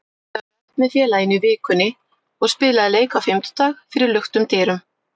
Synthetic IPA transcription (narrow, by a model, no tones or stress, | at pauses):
a | ɛt̪mɛðfjɛːlajɪnivɪːkʏnːɪ | ɔɣspɪːlaðɪleːjkawfɪm̥t̪ʏ̥t̪aːxfɪɾɪɾlʏxt̪ʏmt̪ɛːɾʏm